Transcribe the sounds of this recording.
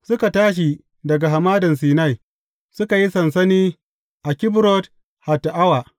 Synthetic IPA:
sʊ˦ka˨taː˦ʃ̬i˨ | dɐ˨ɡa˨ɦa˨maː˦dɐ˨ns̬iː˨na˦˨j | sʊ˦ka˨ji˦sɐ˨nsɐ˦niː˦ | ʔa˨kʲɪ˦bɾɔ˦t | ha˨tːa˨ʔa˦wa˨

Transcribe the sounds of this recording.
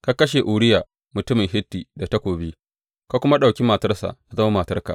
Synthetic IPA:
ka˦kɐ˦ʃ̬e˨ʔuː˨ɽɪ˦jaː˨ | mʊ˨tʊ˦mɪ˨ŋɦɪ˦tːiː˨da˨ta˦kʷoː˨biː˦ | ka˦kʷʊ˦ma˦ɗa˨kʲi˦maː˨tɐ˦rsa̰˨ʔna˨zɐ˦ma˦maː˨tɐ˦rka̰ː˨

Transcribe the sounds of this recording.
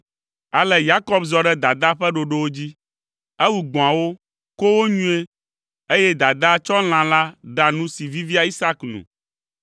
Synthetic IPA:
a˨lɛ˨ja˦kɔ˦bzɔ˨ɖɛ˦d̪a˨d̪a˦ɸɛ˦ɖo˨ɖe˦wo˦d͡ʑi˦ | e˦wu˨ɡ͡bõ˨a˨wo˦ | ko˦wo˦ɲũ˦e˦ | e˦je˦d̪a˨d̪a˦t͡ʃɔ˦l̃ã˨la˦ɖa˨nũ˦si˨vi˦vi˦a˨i˦sa˦knṵ̃˨

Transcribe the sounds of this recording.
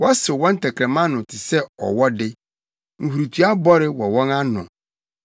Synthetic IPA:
wɔ˦sɪ˨wɔ̃˦n̩˦tʰɛ˨kʰɾɛ̃˨mã˦nʊ̃˨tʰɪ˨sɛ˦ɔ̰˨wɔ˦dɪ˦ | ŋ̩˨hu˨ɾu˨tʰu˦a˦bɔ˦ɾɪ˦wɔ˨wɔ̃˦ŋa˦nʊ̰̃˨

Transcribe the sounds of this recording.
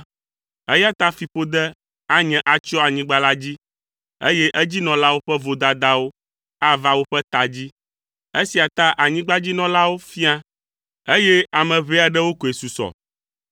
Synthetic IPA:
ɛ˦ja˦t̪a˦fi˨ɸo˦d̪ɛ˦ | a˦ɲɛ̃˨ʔa˨t͡ʃɔ˦a˨ɲĩ˦ɡ͡ba˦la˦d͡ʑi˦ | ḛ˦je˦ʔɛ˦d͡ʑi˦nɔ̃˨la˦wo˦ɸɛ˦vo˨d̪a˨d̪a˦wo˦ | a˦va˦wo˦ɸɛ˦t̪a˨d͡ʑi˦ | e˦si˨a˨t̪a˦ʔa˨ɲĩ˦ɡ͡ba˦d͡ʑi˦nɔ̃˨la˦wo˦fi˦a˦ | e˦je˦a˨mɛ̃˨βe˦a˨ɖɛ˦wo˦ko˨e˨su˨sɔ̰˨

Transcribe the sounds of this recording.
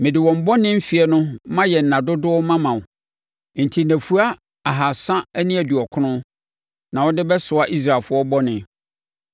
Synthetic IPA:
mɪ̃˨dɪ˨wɔ̃˨m˨bɔ˦nɪ̃˦m̩˦fi˨ɛ˦nʊ̃˦mã˦jɛ˨n̩˨ã˨dʊ˦dʊ˦ɔ˦mã˦mã˨w | n̩˨tʰi˨næ̃˨fu˦a˦ | a˨ɦa˨sã˦æ˦nĩ˦æ˨du˨ɔ˨kʰʊ˦nʊ̃˦ | nã˨wɔ˦dɪ˦bɛ˦sʊ˨a˦ʔi˦s̬ɾa˨lfʊ˦ɔ˦bɔ˦nɪ̃˨

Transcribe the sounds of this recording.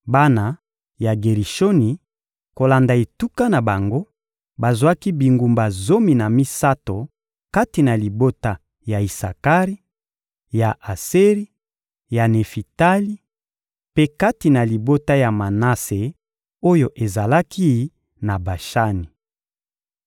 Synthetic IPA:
ba˦na˨ | ja˨ɡe˨ʁi˨ʃo˦ni˨ | ko˨la˨nda˨e˨tu˦ka˦na˨ba˨ŋɡo˦ | ba˨zwa˦ki˦bi˨ŋɡu˨mba˨zo˦mi˨na˨mi˦sa˦to˨ | ka˦ti˨na˨li˨bo˦ta˦ | ja˨i˨sa˨ka˦ʁi˦ | ja˨ʔa˨se˦ʁi˦ | ja˨ne˨fi˨ta˦li˦ | pe˦ka˦ti˨na˨li˨bo˦ta˦ja˨ma˨na˦se˨ | o˦jo˦ʔe˨za˨la˦ki˦ | na˨ba˨ʃa˦ni˨

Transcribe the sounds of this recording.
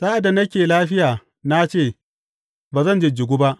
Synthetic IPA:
saː˦ʔa˨da˨nɐ˦kʲeː˨laː˦ɸɪ˦jaː˨ | na˦t͡ʃeː˦˨ | baː˨zɐ˦˨nd͡ʒɪ˨d͡ʒɪ˨ɡʷu˦ba˦ʔ

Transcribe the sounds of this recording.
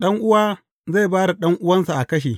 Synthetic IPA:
ɗɐ˦ŋʔʊ˦waː˦ | za˦˨baː˦ɽa˨ɗɐ˦ŋʔʊ˦wɐ˦nsa˨ʔa˨kɐ˦ʃ̬eː˨

